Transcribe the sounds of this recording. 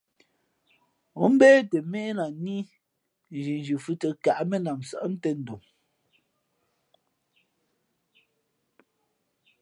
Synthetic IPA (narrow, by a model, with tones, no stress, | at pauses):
o˦m̩˦bɛː˦te˨me˦la˨ni˦ | n˨d͡ʒi˨n˨d͡ʒʉ˨fʉ˦tə˨ka˨ʔme˦na˨m˨sa˦˨ʔn̩˦te˦˨n̩˨do˨ŋ